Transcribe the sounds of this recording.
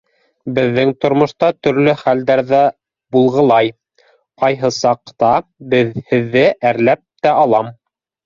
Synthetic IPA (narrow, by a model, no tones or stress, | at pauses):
bɘ̆ðːɘŋt̪ŏɾmŏʃt̪ɑt̪ɵ̆ɾlɵχæld̪æɾðæ | bulˠʁɤ̆lˠɑj | qɑjɦɤsɑqt̪ɑbɘðhɘ̆ðːɘʔæɾlæp̚t̪æɑlˠɑm